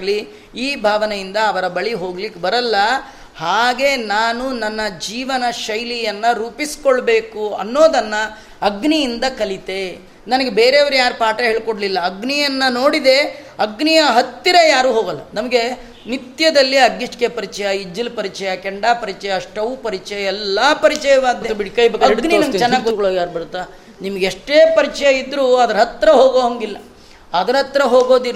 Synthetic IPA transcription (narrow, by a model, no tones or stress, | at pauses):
li | iːbʱaːʋɐnejind̪ɐːʋɐɾɐbɐɭiɦo̞ːɡlikːbɐɾɐlːɐ | haːɡe̞naːnunɐnːɐd͡ʒiːʋɐnɐʃɐjlijɐnːɐɾuːpisi̥koɭbe̞ːkuɐ̰nːo̞ːd̪ɐnːɐː | ɡnijind̪ɐkɐlit̪e̞ | nɐnɐɡebeːɾeːɐʋɐɾujaːɾpaːʈɐɦeːɭkoɽlilːɐːɡnijɐnːɐno̞ːɽid̪e̞ɐɡnijɐɦɐt̪ːiɾɐjaːɾuːɦoːɡɐlːɐnɐmɐɡe | nit̪jɐd̪ɐlːiɐɡiʈkepɐɾit͡ʃɐjɐid͡ʒːilpɐɾit͡ʃɐjɐkɛɳɖaːpɐɾit͡ʃɐjɐːʂʈɐʋuːpɐɾit͡ʃɐjɐɛlːɐpɐɾit͡ʃɛjɐʋaːd̪ːebiɽkɐjbekɐɡɡniinɐmɡt͡ʃɛnːaːɡɡokoɭoɡjaːɾbɐɽt̪ːa | nimɐɡeʂʈeːpɐɾit͡ʃɐjɐid̪ːɾuːɐd̪ɐɾɐɦɐt̪ːɾɐɦoːɡoɐŋɡilːɐ | ɐd̪ɐɾɦɐt̪ːɾɐɦoːɡo̞ːd̪iɾ